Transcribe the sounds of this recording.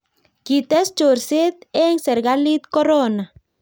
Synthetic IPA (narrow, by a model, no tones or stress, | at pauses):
kit̪est͡ʃuɾset̪eŋseɾɡalit̪koɾona